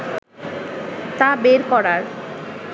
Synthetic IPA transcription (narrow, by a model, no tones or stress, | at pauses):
t̪abeɾkɔɾaɾ